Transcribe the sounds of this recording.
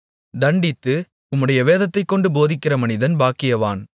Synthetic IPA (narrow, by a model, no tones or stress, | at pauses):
d̪ɐɳɖɪt̪ːɯ | ʊmːɯɽɐjɐʋeːðɐt̪ːɐɪkːɔɳɖɯboːðɪkːɪrɐmɐnɪðɐnbaːkːɪjɐʋa̰ːn